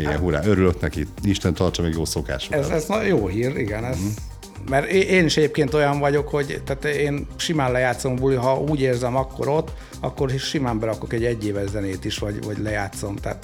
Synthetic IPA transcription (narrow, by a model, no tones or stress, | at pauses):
iɡɛ̰ɦuɾa̰ːøɾyløknɛkiiʃt̪ɛnt̪ɒrt͡ʃɒmɛɡjoːsoka̰ːʃɛzɛznjoːɦiːriɡɛnɛz | mɛɾeːʔeːniʃɛɟeːp̚keːnt̪ojɒɱvɒɟo̞kho̞ɟt̪aːt̪eːnʃimaːnlɛjaːt̪so̞mbuliɦɒʔuːɟeːrzɛmɒkːo̞̰ɾo̞t̪ː | ɒ̰kːo̞rʃimaːmbɛɾɒko̞kɛɟːɛɟːeːvɛʒzɛneːt̪iʃʋɒɟvɒɟlɛjaːt̪so̞mt̪ɛ̰ːt̪